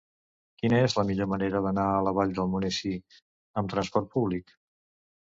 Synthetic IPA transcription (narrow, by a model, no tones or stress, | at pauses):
kinəezləmiʎoməneɾəðənaələβ̞aʎd̪əlˠmunɛsi | əmt̪ɾənspɔɾt̪̚puβlik